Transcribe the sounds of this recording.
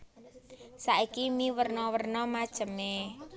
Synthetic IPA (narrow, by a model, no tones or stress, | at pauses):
saʔikimiwərnɔwərnɔmad̥ʒ̥ə̤me